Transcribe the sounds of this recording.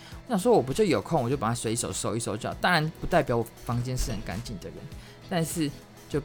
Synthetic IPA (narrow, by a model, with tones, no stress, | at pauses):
wɔ˨˩ɕjɑ˥˩ŋʂ̬wɔ˦˥wɔ˨˩p̬u˧˥t͡ɕjo˥˩ʊjo˨˩ʊkʰo˥˨ŋwɔ˨˩t͡ɕjo˥˩pa˨˩a˥swe˧˥ɪi˥˩ʂo˨˩ʊso˧˥ʊi˥˩so˧˥ʊt͡ɕjɑ˨˩ʊt̪ɑ˥˦ŋa˧˦npu˧˥t̪a˥˩ɪpjɑ˨˥ʊwɔ˨˩fɑ˧˥ŋt͡ɕjɛ˥nʂɻ̩˥˩xə˨˦nka̰˧˦nt͡ɕi˥˩nd̪ə̰˩ɻə̰˧˦n | t̪a˥˧nʂɻ̩˥˨ | t͡ɕjo˥˧ʊ